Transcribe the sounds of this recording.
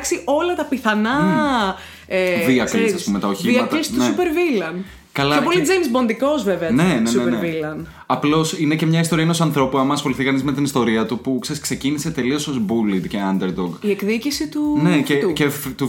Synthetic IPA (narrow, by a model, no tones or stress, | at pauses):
ksiʔo̞lɐt̪ɐpiθɐnɐ | eðiɐkɾiɐspumet̪ɐoçimɐk̪st̪nesupeɾvilɐn | kɐlɐeopolid͡zejmszbo̞nd̪iko̞zveveɐne̞nenneneilɐn | ɐplo̞sinece̞mɲɐist̪o̞ɾiɐenosɐnθɾo̞puɐmɐːsxo̞liθikɐnizme̞t̪inist̪o̞ɾiɐt̪upukse̞ɾiskse̞cinise̞t̪e̞lio̞sozbulid̪ceɐnd̪eɾd̪oɡiekðicisit̪uneceuceft̪u